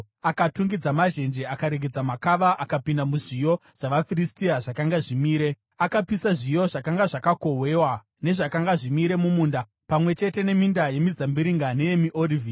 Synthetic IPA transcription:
akatuŋɡid͡zamaʒe̞nd͡ʒe̞akaɾeɡʱed͡zamakaʋaʔakapindamuʐijo̞ʐ̥aʋafiristiaʐakaŋɡaʐimiːɾe̞ | akapisaʐijo̞ʐakaŋɡaʐakako̞we̞wa | ne̞ʐakaŋɡaʐimiɾe̞mumuːnda | pamwe̞t͡ʃe̞te̞ne̞mindaje̞mizambiɾiŋɡane̞je̞miʔorivi

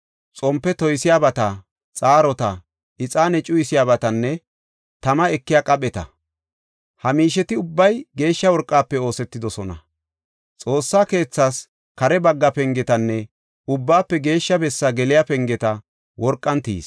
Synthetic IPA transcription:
t͡sʼɔmpːɛt̪ɔjsɪjaːbɐt̪ɐ | t͡sʼaːɾɔt̪ɐ | ʔɪt͡sʼaːnɛt͡ʃʼʊjɪsɪjaːbɐt̪ɐnːɛ | t̪ɐmɐɛkːɪjakʼɐɓʼɛt̪ɐ̰ | hɐmiːʃɛt̪ɪʊbːɐjɡe̞ːʃːɐwɔɾkʼːaːpːɛo̞ːsɛt̪ːɪd̪ɔsɔnɐ̰ | t͡sʼo̞ːsːaːke̞ːt͡sːaːs | kɐɾɛbɐɡːɐpɛŋɡɛt̪ɐnːɛ | ʊbːaːpːɛɡe̞ːʃːɐbɛsːɐɡɛlɪjapɛŋɡɛt̪ɐ | wɔɾkʼːɐnt̪ḭːs

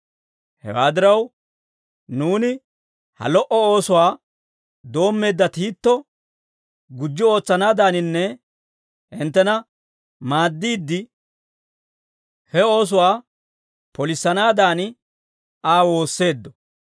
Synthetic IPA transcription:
hɛ̰wa̰ːd̪ɪɾɐw | nuːnɪ | hɐ̰lɔʔɔoːsʊwaː | d̪o̞ːmːe̞ːd̪ːɐt̪iːt̪ːɔ | ɡʊd͡ʒːɪo̞ːt͡sːɐnaːd̪aːnɪnːɛ | ɪnt̪ːɛnɐ | maːd̪ːiːd̪ːɪ | hɛo̞ːs̬ʊwaː | pɔlɪsːɐnaːd̪aːnɪ | aːwo̞ːsːe̞ːd̪ːɔ

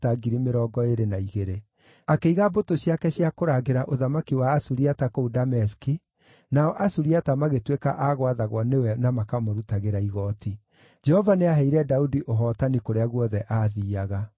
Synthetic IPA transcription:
taɡiɾimeɾɔːɡɔeɾenaiɣeɾe | akeiɣabotoɕjakɛɕiakoɾaːɣeɾaʔoðamakiwaːsuɾiatakoudamɛski | naɔʔasuɾiatamaɣetweka̰ʔaɣwaðaɣwɔnewɛnamakamoɾutaɣeɾaiɣɔtʰi | d͡ʒɛhɔvaneaɦɛiɾɛdaudiʔoɦɔːtanikoɾeaɣwɔðɛʔaðiːaɣa

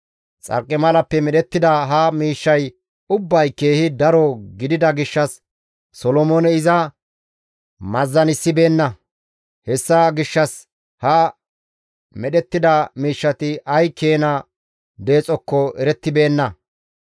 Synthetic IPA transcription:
t͡sʼɐ̰ɾkʼːɪmɐlɐpːɛmɛɗɛt̪ːɪd̪ɐɦɐmiːʃːɐj | ʊbːɐjke̞ːhɪd̪ɐɾɔɡɪd̪ɪd̪ɐɡɪʃːɐsː | ɔlɔmoːnɛɪzɐ | mɐzːɐnɪsːɪbe̞ːnːɐ | hɛsːɐɡɪʃːɐs | hɐ | mɛɗɛt̪ːɪd̪ɐmiːʃːɐt̪ɪʔɐjkʰe̞ːnɐ | d̪e̞ːt͡sʼɔkːɔɛɾɛt̪ːɪbe̞ːnːɐ

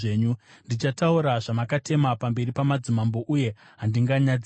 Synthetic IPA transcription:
eːɲundit͡ʃatauɾaʐamakate̞mapambe̞ɾipamad͡zimambo̞ʔuje̞ | ɦandiŋɡaɲad͡z

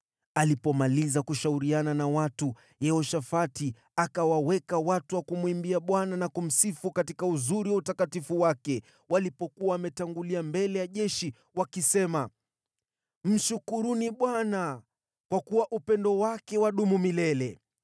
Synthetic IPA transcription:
alipɔmalizakuʃauɾiananawatu | jɛɔʃafati | akawawɛkawatuwakumwimbiaɓwananakum̩sifukatikauzuɾiwautakatifuwakɛ | walipɔkuaːmɛtaŋɡuliambɛlɛjaʄɛʃi | wakisɛma | m̩ʃukuɾuniɓwana | kwakuwaʔupɛndɔwakɛwaɗumumilɛlɛ

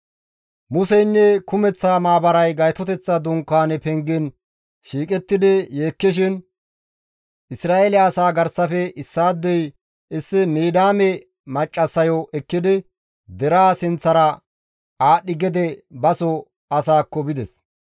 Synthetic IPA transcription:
mʊsɛjnːɛkʊmɛt͡sːaːmaːbɐɾɐjɡɐjt̪ɔt̪ɛt͡sːɐd̪ʊŋkːaːnɛpɛŋɡɪn | ʃiːkʼɛt̪ːɪd̪ɪjeːkːɪʃ̬ɪn | ɪsɾaːɛlɪaːsaːɡɐɾsɐfɛɪsːaːd̪ːɛj | ɪsːɪmeːd̪aːmɛ | mɐt͡ʃʼːɐsɐjɔʔɛkːɪd̪ɪ | d̪ɛɾaːsɪnt͡sːɐɾɐ | aːɗɪɡɛd̪ɛbɐsɔ | ɐsaːkːɔbɪd̪ɛs

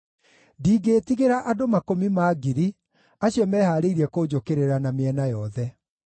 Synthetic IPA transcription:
diːɡeːtiɣeɾaʔadomakomimaːɡiɾi | aɕjɔmɛːhaːɾeiɾiɛkoːd͡ʑokeɾeɾanameɛnajɔðɛ

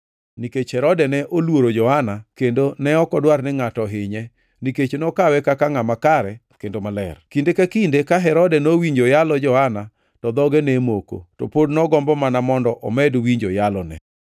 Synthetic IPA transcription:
niket͡ʃhɛɾɔdɛnɛʔolwoɾod͡ʒɔhanakendonɛɔkɔdwarnɪŋatɔɦɪɲɛ | niket͡ʃnɔkawɛkakaŋamakaɾɛ | kendomalɛ̰rkindekakindekaɦɛɾɔdɛnowiɲd͡ʒojalɔd͡ʒɔhana | tɔd̪ɔɡenɛmoko̰tɔpodnɔɡɔmbɔmanamɔndɔʔɔmɛdwiɲd͡ʒojalɔnɛ̰

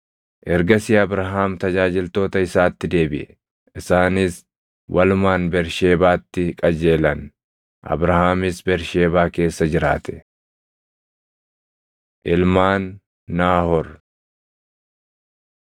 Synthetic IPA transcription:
ʔɛɾɡɐsɪɐbɾɐɦaːmt̪ɐd͡ʒaːd͡ʒɪlt̪o̞ːt̪ɐɪsaːt̪ːɪd̪e̞ːbɪʔɛ | ɪsaːnɪs | wʔɐlʊmaːnbɛɾʃeːbaːt̪ːɪkʼɐd͡ʒe̞ːlɐn | ʔɐ̰bɾɐhaːmɪsbɛɾʃe̞ːbaːke̞ːsːɐd͡ʒɪɾa̰ːt̪ʰɛ̥ | ʔɪlmaːnː | aːhɔɾ

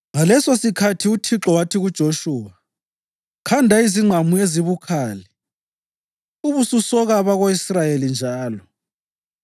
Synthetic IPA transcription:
ŋalɛsosikʰatʰiutʰiǁɔwatʰiɣud̥ʒ̥ʱoʃuːwa | kʰandʱaiziŋ͡ǀʱamueziβukʰaːli | uβususɔɣaβaɣoisrajelind͡ʒʱaːlɔ

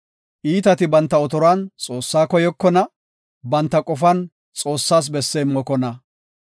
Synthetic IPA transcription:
ʔiːt̪ɐt̪ɪbɐnt̪ːɐɔt̪ɔɾaːnt͡sʼo̞ːsːaːkɔjɔkːɔnɐ | bɐnt̪ːɐkʼɔfɐn | t͡sʼo̞ːsːaːs̬bɛsːeːmːɔkɔnɐ

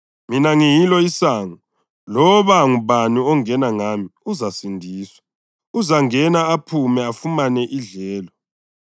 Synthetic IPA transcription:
minaŋijilɔisaːŋɔ | lɔβaŋuβaniɔŋɛnaŋamiuzasindʱiːswa | uzaŋɛnaːpʰumɛafumanɛʔiɮɛːlɔ

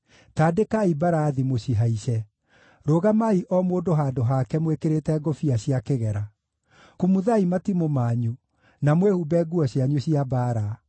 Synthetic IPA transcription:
taːdekaibaɾaːðimoɕiɦaiɕɛ | ɾoɣamaiʔɔmoːdoɦaːdoɦakɛmwekeɾetɛɡɔfiaɕiakeɣɛɾa | kumuðaimatimomaːɲu | namwehubɛɡuɔɕjaɲoɕiabaɾa

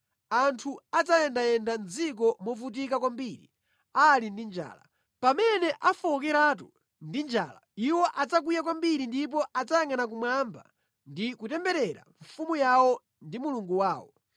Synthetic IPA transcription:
antʰuad͡zajɛndajɛndand͡zikɔmɔvut̬ikakwambiɾḭ | alindind͡ʒa̰ːla̰ | pamɛnɛʔafɔk̬ɛɾat̬u | ndind͡ʒa̰ːlaiwɔʔad͡zak̬ujak̬wambiɾindip̬ɔʔad͡zajaŋɡanak̬umwamba̰ | ndikutɛmbɛɾɛɾa̰ɱfumujawɔ | ndimuluŋɡuwaːwɔ

